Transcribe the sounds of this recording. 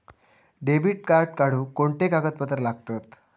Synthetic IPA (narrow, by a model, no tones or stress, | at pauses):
ɖebiʈ̚kaɾʈ̚kaɽ̤uːkoɳʈ̪ekaɡət̪̚pət̪əɾlaɡt̪ot̪